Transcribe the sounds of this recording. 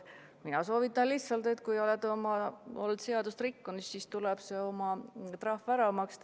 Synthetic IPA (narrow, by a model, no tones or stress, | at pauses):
minɑso̞ːvit̪ˑːɑnlihsɑlt̪e̞t̪kujo̞led̪omɑo̞lt̪se̞ɑd̪̥ust̪ɾikːunussist̪ulɛb̥se̞o̞mɑt̪rɑhfæɾɑmɑkst̪